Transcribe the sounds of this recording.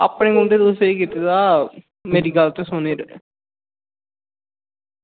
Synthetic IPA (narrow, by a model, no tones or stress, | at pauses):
a̰pnẽːɡʊ̃ɳɖeːd̪oseiːkit̪et̪aː | meːɾiːɡəlt̪esʊneːɾ̰